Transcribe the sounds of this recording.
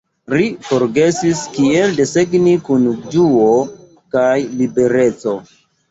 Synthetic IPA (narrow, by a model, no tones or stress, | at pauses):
ɾifo̞ɾɡe̞siskie̞lde̞seɡnikund͡ʒuo | kajlibe̞ɾe̞t͡so̞